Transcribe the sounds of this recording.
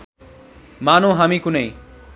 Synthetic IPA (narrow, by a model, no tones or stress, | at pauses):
maːnõɦamikunəĩ